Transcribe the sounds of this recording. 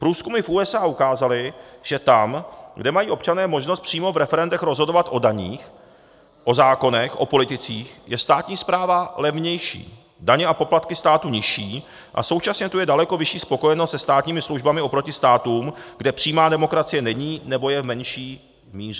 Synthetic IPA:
pɾuːskumɪfʔuːɛsʔaːʔukaːzalɪʒ̥ɛt̪amɡdɛmajiːo̞pt͡ʃanɛːmo̞ʒnost̪pr̝̥iːmo̞vɾɛfɛɾɛndɛxɾo̞zɦo̞do̞vat̪ʔo̞daɲiːx | ʔo̞zaːko̞nɛxʔo̞̰po̞lɪt̪ɪt͡siːxjɛst̪aːt̪ɲiːspɾaːvalɛvɲɛjʃḭː | daɲɛʔapo̞plat̪kɪst̪aːt̪uɲɪʃiː | ʔa̰so̞wt͡ʃasɲɛt̪ujɛdalɛko̞vɪʃiːspo̞ko̞jɛnost̪sɛst̪aːt̪ɲiːmɪsluʒbamɪʔo̞pɾo̞cɪst̪aːt̪uːmɡdɛpr̝̥iːmaːdɛmo̞kɾat͡sɪjɛnɛɲiːnɛbo̞jɛvmɛnʃiː | miːrɛ

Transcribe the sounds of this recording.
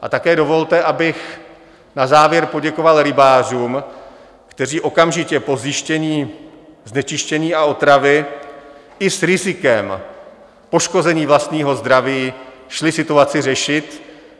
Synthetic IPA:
ʔa̰t̪akɛːdo̞vo̞lt̪ɛʔabɪx | nazaːvjɛɾpo̞ɟɛko̞valɾɪbaːr̝uːm | kt̪ɛriːʔo̞kamʒɪcɛpo̞zjɪʃcɛɲiː | znɛt͡ʃɪʃcɛɲiːao̞t̪ɾavɪ | ɪsɾɪzɪkɛm | po̞ʃko̞zɛɲiːvlast̪ɲiːɦo̞zd̪ɾaviːʃlɪsɪt̪uat͡sɪrɛʃɪt̪

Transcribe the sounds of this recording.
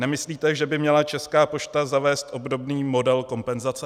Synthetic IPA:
nɛmɪsliːt̪ɛʒɛbɪmɲɛlat͡ʃɛskaːpo̞ʃt̪azavɛːst̪ʔo̞bdo̞bniːmo̞dɛlko̞mpɛnzat͡sɛ

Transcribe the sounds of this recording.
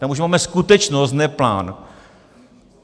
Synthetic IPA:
t̪amuʒmaːmɛskut̪ɛt͡ʃnost̪nɛpla̰ːn

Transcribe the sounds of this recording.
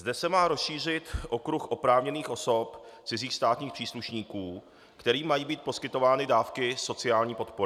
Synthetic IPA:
zdɛsɛmaːɾo̞sʃiːr̝ɪt̪ʔo̞kɾuxʔo̞pɾaːvɲɛniːxʔo̞so̞pt͡sɪziːxst̪aːt̪ɲiːxpr̥iːsluʃɲiːkuː | kt̪ɛɾiːmajiːbiːt̪̚po̞skɪt̪o̞vaːnɪdaːfkɪso̞t͡sɪaːlɲiːpo̞t̪poɾɪ

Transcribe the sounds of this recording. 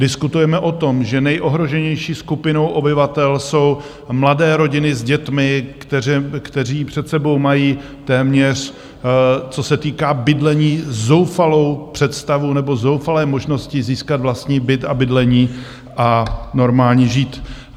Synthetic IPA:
dɪskut̪ujɛmɛʔo̞t̪o̞mʒɛnɛjʔo̞ɦɾo̞ʒɛɲɛjʃiːskupɪno̞wʔo̞bɪvat̪ɛlso̞w | mladɛːɾo̞ɟɪnɪzɟɛt̪mɪkt̪ɛkt̪ɛriːpr̝̥ɛt̪sɛbo̞wmajiː | t̪ɛːmɲɛr̝ | t͡so̞sɛt̪iːkaːbɪdlɛɲiːzo̞wfalo̞wpr̥ɛt̪st̪avunɛbo̞zo̞wfalɛːmo̞ʒno̞scɪziːskad̪vlast̪ɲiːbɪt̪abɪdlɛɲiː | ʔano̞ɾmaːlɲiʒiːt̪

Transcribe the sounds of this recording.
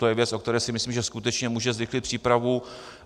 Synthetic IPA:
t̪o̞jɛvjɛt͡sʔo̞k̚t̪ɛɾɛːsɪmɪsliːmʒɛskut̪ɛt͡ʃɲɛmuːʒɛzvɪxlɪt̪pr̥iːpɾavu

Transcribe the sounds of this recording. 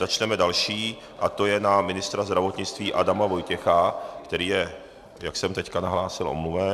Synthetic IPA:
zat͡ʃnɛmɛdalʃiː | ʔat̪o̞jɛnamɪnɪst̪ɾazd̪ɾavo̞t̪ɲɪt͡st̪viːʔadamavo̞jcɛxakt̪ɛɾiːjɛ | jaksɛmt̪ɛckanaɦlaːsɪlʔo̰mluvɛ

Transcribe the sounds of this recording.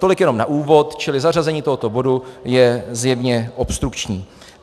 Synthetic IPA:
t̪o̞lɪkjɛno̞mnaʔuːvo̞t̪t͡ʃɪlɪzarazɛɲiːt̪oɦo̞t̪obo̞dujɛzjɛvɲɛʔo̞pst̪ɾukt͡ʃɲiː

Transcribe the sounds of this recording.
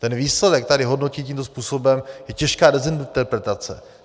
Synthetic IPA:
t̪ɛnviːslɛdɛk̚t̪adɪɦo̞dno̞ciːtciːmt̪o̞spuːso̞bɛmjɛcɛʃkaːdɛzɪnt̪ɛɾpɾɛt̪at͡sɛ̰

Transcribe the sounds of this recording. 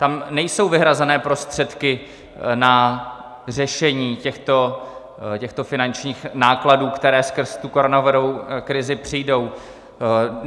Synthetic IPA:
t̪amnɛjso̞wvɪɦɾazɛnɛːpɾo̞st̪r̝̥ɛt̪kɪ | na | r̝ɛʃɛɲiːcɛxt̪o̞ | cɛxt̪o̞fɪnant͡ʃɲiːxnaːkladuːkt̪ɛɾɛːskr̩zt̪ukoɾonavɪɾowkɾɪzɪpr̝̥ijdo̞w

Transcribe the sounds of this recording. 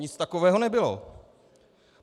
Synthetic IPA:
ɲɪt͡st̪ako̞vɛːɦo̞nɛbɪlo̰

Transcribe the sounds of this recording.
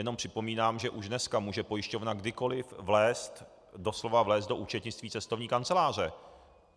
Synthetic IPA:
jɛno̞mpr̝̥ɪpo̞miːnaːmʒɛʔuʒdnɛskamuːʒɛpo̞jɪʃco̞vnaɡdɪko̞lɪfvlɛːst̪ | do̞slo̞vavlɛːszd̪do̞ʔuːt͡ʃɛt̪ɲɪt͡st̪viːt͡sɛst̪o̞vɲiːkant͡sɛlaːr̝ɛ

